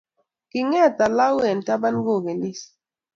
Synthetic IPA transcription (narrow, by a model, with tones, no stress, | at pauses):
ki˨ŋɛ˦˨ta˨la˦wɛ˨n̩˨ta˦ba˦n˦ɡo˦˨ke˨ni˦s